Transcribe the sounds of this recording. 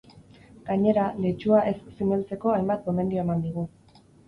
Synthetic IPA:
ɡ̥aɲe̞ɾalet͡ʃuaʔe̞sːimelt͡se̞ko̞ajmbat̪ɡo̞me̞nd̪io̞e̞mand̪iɣ̞u

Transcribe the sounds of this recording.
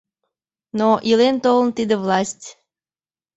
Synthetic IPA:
noʔilent̪olˠənt̪id̪əvlˠɑsʲtʲ

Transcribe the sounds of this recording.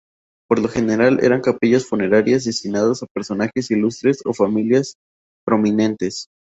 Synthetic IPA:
po̞ɾlo̞xe̞ne̞ɾalḛɾaŋkapiʝasfune̞ɾaɾjazðest̪inað̞osape̞ɾso̞naxe̞silust̪ɾe̞so̞̰familjas | pɾo̞mĩnẽ̞nt̪e̞s

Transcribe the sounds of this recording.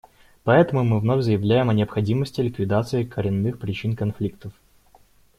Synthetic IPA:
pɐɛt̪əmʊmɨvnovʲzəjɪvlʲæjɪmɐnʲɪəpxɐdʲiməsʲtʲɪlʲɪkvʲɪd̪at̪sɨɪkəɾʲɪnːɨxpɾʲɪt͡ɕinkɐnflʲikt̪əf

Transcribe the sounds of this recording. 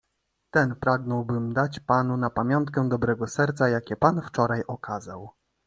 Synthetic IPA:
t̪ɛnpɾaɡnɔwbɘmd̪at͡ɕpanunapamʲjɔnt̪kɛd̪ɔbɾɛɡɔsɛɾt̪sajakʲɛpanft͡ʂɔɾajɔkʰazaw

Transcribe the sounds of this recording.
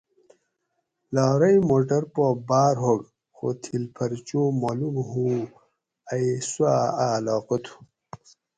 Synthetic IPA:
laːɾɐjmoʈɐɾpobaːɾɦoɡ | xo̰t̪ʰilpʰɐɾt͡ɕomolumɦu | ajswaalaːqot̪ʰu̥

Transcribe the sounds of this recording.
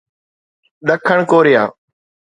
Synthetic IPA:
ɗəkʰəɳkoːɾɪja̰ː

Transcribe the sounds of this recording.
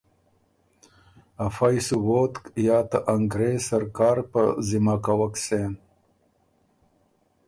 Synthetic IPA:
afajsuwoːt̪kjɑːt̪aʔaŋɡɾesaɾkɑːɾpə̰zimakawaksen

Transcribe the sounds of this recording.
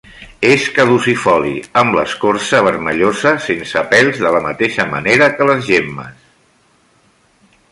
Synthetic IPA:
eskəðusifɔlḭəmlə̰skoɾsəβ̞əɾməʎozəsensəpɛlˠzðələmət̪eʃəmə̰neɾəkələzʒemːə̰s

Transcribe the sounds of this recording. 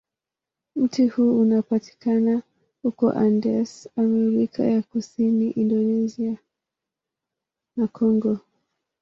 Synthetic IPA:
m̩tihuːunapati̥kana | hukɔ̰ʔandɛsamɛuɾikʰa̰jakusiniʔindɔnɛzia | nakʰɔŋɡɔ

